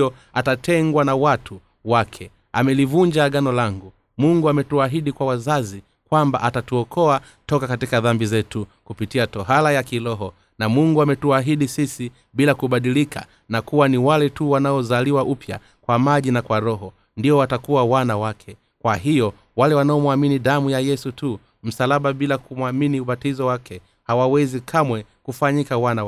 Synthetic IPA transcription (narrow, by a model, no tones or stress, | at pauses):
ɔatatɛŋɡwanawatʰu | wakʰɛ | amɛlivuɲd͡ʒaɠanɔlaŋɡu | muŋɡuamɛtuaɦiɗikwawazazi | kwamba̰ʔatatuɔkʰɔa | tɔkakatikaðambizɛtukupitiatɔɦalajakilɔɦɔ | namuŋɡuamɛtuaɦiɗisisi | ɓilakuɓaɗilika̰ | nakuwaniwalɛtuwanaɔzaliwaʔupja̰ | kwamaʄinakwaɾɔɦɔ | ndiɔwatakuwawanawakʰɛ | kwaɦijɔ | walɛwanaɔmwaminiɗamujajɛsutu | m̩salaɓaɓilakumwaminiuɓatizɔwakɛ | hawawɛzikʰamwɛkufaɲikawana